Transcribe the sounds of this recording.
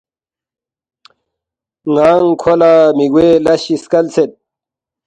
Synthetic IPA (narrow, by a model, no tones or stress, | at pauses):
ŋaːŋkʰolaːmiɡwelɐɕiskɐlt͡set̪̚